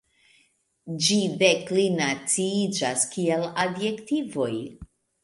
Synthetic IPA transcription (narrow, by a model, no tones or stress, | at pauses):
d͡ʒide̞klinat͡siid͡ʒaskieladje̞ktivo̞j